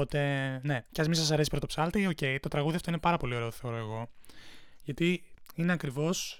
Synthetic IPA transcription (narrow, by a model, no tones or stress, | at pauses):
ot̪e̞ne̞ceɐzmisɐs̬ɐɾesipɾot̪opsɐlt̪io̞ce̞jt̪ot̪ɾɐɣuðiɐft̪oinepɐɾɐpo̞lio̞ɾe̞oθeoɾo̞eɣo̞ | ʝɐt̪iineɐkɾivo̞s